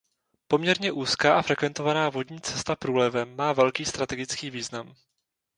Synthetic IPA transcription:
po̞mɲɛɾɲɛʔuːskaːʔafɾɛkvɛnt̪o̞vanaːvo̞dɲiːt͡sɛst̪apɾuːlɛvɛmːaːvɛlkiːst̪ɾat̪ɛɡɪt͡skiːviːznam

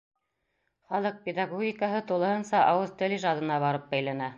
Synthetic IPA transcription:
χɑlˠɤq̚pʲɪd̪aɡoɡʲikəɦɤt̪ulˠɤ̆hɤ̆nsɑʔɑwɤzt̪ɘliʒɑd̪ɤ̆nɑβɑɾɤp̚bæjlænæ

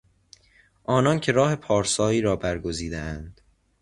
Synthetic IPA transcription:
ʔɒːnɒncʰe̞ɾɒːhe̞pʰɒːɾsɒːiːɾɒːbæɾɡo̞ziːd̪ḛænd̪̥

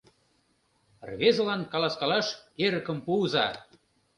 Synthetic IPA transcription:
rβezəlɑnkɑlɑskɑlɑʃeɾəkə̆mpuzɑ̰

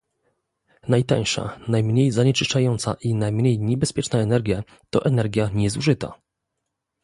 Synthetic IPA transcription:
najt̪a̰j̃ʂa̰najmɲejzaɲɛt͡ʂɘʂt͡ʂajɔnt̪sa̰ʔinajmɲejɲɛbɛspʲjɛt͡ʂnaɛnɛɾɡʲja | t̪ɔʔɛnɛɾɡʲjaɲɛzuʐɘt̪a̰

